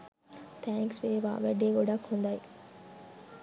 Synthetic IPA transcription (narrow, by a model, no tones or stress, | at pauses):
t̪ʰæːŋksʋeːʋa̰ːʋæɖeːɡoɖɐkhund̪ɐj